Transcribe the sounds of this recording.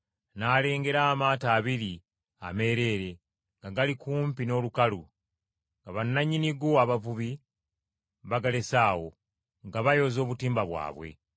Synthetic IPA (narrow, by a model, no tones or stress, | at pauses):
naːle̞ːŋɡe̞ɾaːmaːtaːβiɾi | a̰me̞ːɾe̞ːɾe̞ | ŋɡaɡalikuːmpino̞ːlukalu | ŋɡaβanːaɲiniɡoaβavuβi | βaɡale̞saːwo̞̰ | ŋɡaβajo̞ːzoːβutiːmbaβwa̰ːβwe̞̰